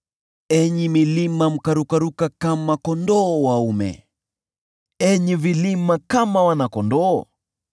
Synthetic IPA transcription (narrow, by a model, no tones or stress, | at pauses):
ɛɲimilimam̩kaɾukaɾukakamakɔndɔːwaumɛ̰ | ɛɲivilimakamawanakɔndɔː